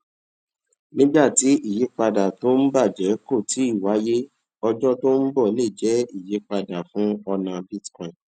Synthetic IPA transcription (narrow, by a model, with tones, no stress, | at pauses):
nĩ˦ɡ͡ba˦˨ti˨˦ʔi˦˨je˨˦k͡pa˧da˨to˦n̩˦ba˦˨d͡ʒɛ˨˦ko˦˨tʰi˨˦i˦˨wa˨˦je˦ | ɔ˧d͡ʒɔ˦to˦n̩˦bɔ˦˨˦le˦˨d͡ʒɛ˨˦i˦˨je˨˦k͡pa˧da˨fũ˨˦ɔ˧nã˧bi˦tkɔ̃˦˨ĩ˨